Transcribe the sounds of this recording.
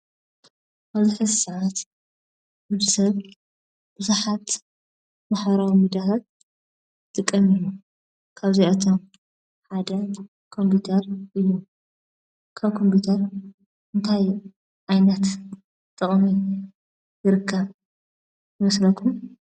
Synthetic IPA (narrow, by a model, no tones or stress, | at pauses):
bɐzuħɨsɐʕat̪ | bɨzɨsɐβ | b̥ɨzaħat̪ | maħβɐɾawimid̪atʰat̪̚ | t̪ʼɨkʼːɐmiju | kʰaβzijat̪ʰom | ħad̪ɐ | kʰo̞mput̪ʰɐɾʔɨjːu | kʰaβkʰo̞mput̪ʰɐɾ | ʔɨnt̪ʰaj | ʕajnɐt̪ | t̪ʰʼːɐχʼmi | jɨɾɨkʰːɐβ | jɨmɐslɐkʰːum